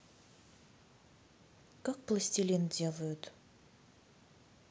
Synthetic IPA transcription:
kak̚plˠəsʲtʲilʲint̪dʲelˠəjʊt̪

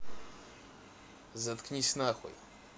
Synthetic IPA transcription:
zat̪kɲʲisʲnaxṵj

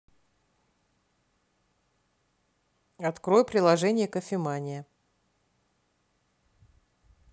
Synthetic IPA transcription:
ɐt̪kɾo̞jpɾʲɪlˠɐʐɛnʲɪjəkəfʲɪmanʲɪjə

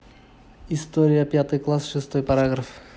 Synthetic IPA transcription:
ɪst̪oɾʲɪjəpʲjat̪ɨjklˠasʂɨst̪o̞jpɐɾaɡɾəf

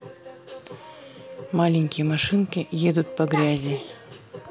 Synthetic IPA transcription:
malʲɪŋʲkʲɪjəmɐʂɨnkʲɪjed̪ʊt̪̚pɐɡɾʲazʲɪ

